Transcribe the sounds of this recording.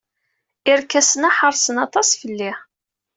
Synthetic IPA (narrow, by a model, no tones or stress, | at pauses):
ɪɾkːæsənaħəɾˤsənɑt̪ˤɑsfəlːi